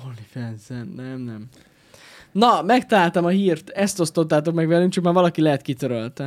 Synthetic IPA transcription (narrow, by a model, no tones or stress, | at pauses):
olifɛnsɛnːɛmnɛm | nɒmɛkt̪ɒlaːlt̪ɒmɒɦiːrt̪ɛst̪o̞st̪o̞t̪ːaːt̪o̞kmɛɡvɛlyŋkt͡ʃɒkmaːrvɒlɒkilɛɦɛt̪kit̪øɾølt̪ɛ